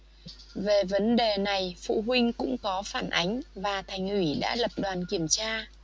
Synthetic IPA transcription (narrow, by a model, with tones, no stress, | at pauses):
ve˨˩və˨˦nɗe˨˩na˨˩jfṵ˧˨ɦwï˧ŋ̟kʊ̰˧˥ŋ͡mkɔ˨˦faː˧˩nʔa˨˦jŋ̟vaː˨˩t̪ʰa˨˩jŋ̟ʔwi˧˩ɗa̰ː˧˥lə˨˩p̚ɗwaː˨˩nki˧˩əmt͡ɕaː˧